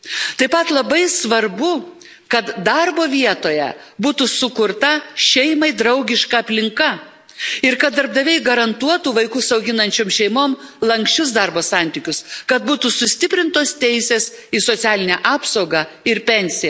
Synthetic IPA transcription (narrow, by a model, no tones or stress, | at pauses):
t̪ɐɪpɐt̪lˠɐbɐɪsʋɐɾbʊ | kɐt̪d̪ɐɾboːʋʲiɛt̪oːjɛ̰ | buːt̪usʊkʊɾt̪ɐʃʲɛɪmɐɪd̪ɾɐʊɡʲɪʃkɐɐpʲlʲɪŋkɐ | ɪɾkɐt̪̚d̪ɐɾb̚d̪ɐʋʲɛɪɡɐɾɐnt̪uɔt̪uːʋɐɪkʊsɐʊɡʲɪnɐnʲt͡ʃʲoːmʃʲɛɪmoːmlˠɐŋksʲt͡ʃʲʊs̬d̪ɑɾboːsɑˑnʲt̪ʲɪkʲʊskɐt̪̚buːt̪uːsʊsʲt̪ʲɪpʲɾʲɪnt̪oːst̪ʲɛɪsʲeːsisoːt̪sʲæːlʲɪnʲæʔɑːpsɐʊɡɑ | ɪɾpʲɛnʲsʲɪjɛ